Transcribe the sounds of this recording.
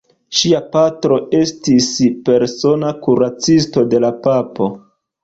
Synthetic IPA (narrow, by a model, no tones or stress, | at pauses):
ʃiapatɾo̞e̞stispe̞ɾso̞nakuɾat͡sisto̞de̞lapapo̞